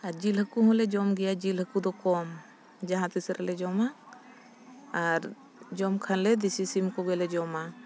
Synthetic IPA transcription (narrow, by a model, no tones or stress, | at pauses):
aɾd͡ʒilɦəkuɦɔ̃lɛd͡ʒɔmɡɛjad͡ʒilɦhəkud̪ɔkɔm | d͡ʒaɦãt̪isɾʔɛlɛd͡ʒɔma | ɾ | d͡ʒɔmkʰanlɛd̪isisimkɔɡɛlɛd͡ʒɔma